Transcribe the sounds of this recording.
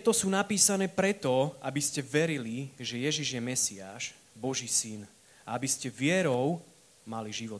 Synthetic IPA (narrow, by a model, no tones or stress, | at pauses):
ɛt̪ɔsuːnapiːsanɛːpɾɛt̪ɔabiscɛʋɛɾiliʒɛjɛʒiʒjɛmɛsiaːʃ | bɔʒiːsin | aabiscɛʋɪɛɾɔʊ | maliʒiʋɔt̪